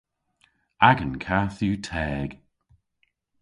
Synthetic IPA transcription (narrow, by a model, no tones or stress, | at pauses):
aɡənkʰaːθuːtʰɛːɡ̥